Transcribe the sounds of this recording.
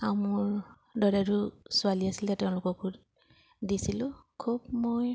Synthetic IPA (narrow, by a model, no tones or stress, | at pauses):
awmʊɹ | dɔdatʊsʊaliasilatɛʊ̃lʊkɔkʰud | disilʊ̃kʰub̚moj